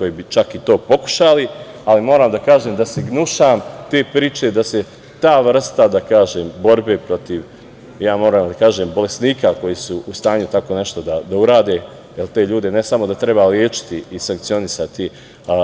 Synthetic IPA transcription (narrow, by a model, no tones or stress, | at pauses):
ko̞jiːbit͡ʃakit̪o̞ːpo̞ku̥ʃalialimoːɾaːmd̪akaːʒeːmd̪aseɡnuʃaːmt̪e̞ːpɾiːt͡ʃe̞d̪ase̞ | t̪aːʋr̩st̪ad̪akaːʒeːmbo̞ɾbe̞pɾo̞t̪iʋ | jaːmo̞ːɾaːmd̪akaːʒeːmbo̞le̞sniːkako̞jisuːst̪aːɲut̪ako̞ne̞ʃt̪o̞d̪ad̪auɾaːd̪e | jelt̪e̞ːʎuːd̪e̞nesamo̞d̪at̪ɾe̞baljeːt͡ʃɪ̥t̪iisaŋk̚tsio̞nisat̪i